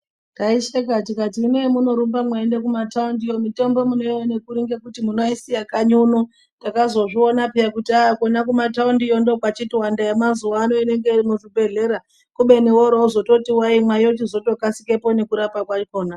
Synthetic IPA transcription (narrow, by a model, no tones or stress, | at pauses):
taiʃekat̬ikatiineimuno̞ɾumbamwaendekumataundijo̞mito̞mbo̞muno̞iwonekuɾiŋɡekutimuno̞isijakaɲunu | takazo̞ʐio̞napijakutiakonakumataundijondo̞kwat͡ʃitiwandajamazuwaːno̞ine̞ŋɡe̞irimuʐibʱe̞ɮe̞ɾa | kuɓe̞newoɾozo̞to̞tiwaimwaijot͡ʃizo̞to̞kasike̞po̞ne̞kuɾapakwakoːna